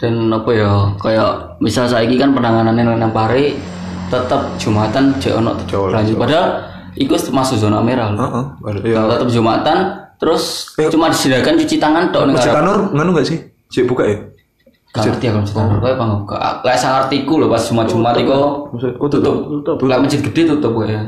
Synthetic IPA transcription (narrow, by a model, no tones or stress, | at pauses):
d̥anɔpɔjɔkajɔʔ | misalsaikikanpənaŋananenenaŋpaɾe | t̪ət̪əp̚ʒ̥umat̪an̥d͡ʒ̥ɛʔɔ̰nɔ̰ʔt̪ə̥laɲd͡ʒʊt̪̚badal | ikusmasuzɔnameɾaloʔat̪ət̪əp̚dd͡ʒumat̪ant̪əɾʊst͡ʃumadisidakant͡ʃut͡ʃit̪aŋandɔʔnɪŋasanʊrŋanuŋɡaʔsɪh | d͡ʒ̥ɛʔb̥ukaʔj | kaərt̪iakanməsi̥t̪anʊrkɔjapaŋɡabuka̰ʔlaaʔsahart̪ikulɔpasʒ̥umḁʒ̥umat̪ikɔt̪ut̪ʊp̚laʔməd͡ʒʊt̪̚ɡ̥əd̥et̪ut̪ʊp̚kɛja